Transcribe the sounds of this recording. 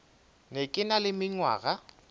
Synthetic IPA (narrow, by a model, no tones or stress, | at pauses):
nekʼɪnalɪmɪɲwa̰ːɣa